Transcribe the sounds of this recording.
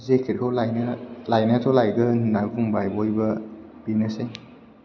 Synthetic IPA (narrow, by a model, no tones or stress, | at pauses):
zekʰiɾkʰawlajnɐlajnatʰolajɡɐnaɡuŋbajbojbɐ | b̥inɐse